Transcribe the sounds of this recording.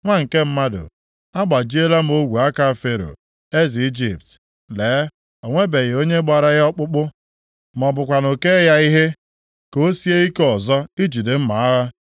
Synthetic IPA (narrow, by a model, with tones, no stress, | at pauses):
ŋʷa˦ŋ̩˨ke˦m̩˦ma˦dʊ̰˨ | a˦ɡ͡ba˨d͡ʒi˦e˦la˦m̩˦o˦ɡʷu˨a˦ka˨fe˨ɾo̰˨ | e˦zi˨i˦d͡ʒi˨p̚t | le˨˦ | o˨ŋʷe˦be˨ɣe˨o˦ɲe˦ɡ͡ba˨ɾa˨ɣɔ˦k͡pʊ˦k͡pʊ˦ | m˨ɔ˨bʊ˨kʷa˨no˨ke˦ja˦i˦ɦe˦ | ko˨˦si˦e˦i˦kɔ˨zɔ˦i˦d͡ʒi˨de˨m̩˦ma˨a˦ɦa˦